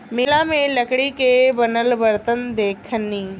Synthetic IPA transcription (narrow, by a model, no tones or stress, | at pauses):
mɪlamẽlɐkɽikebɐnəlʋəɾt̪ənd̪eːkʰənĩ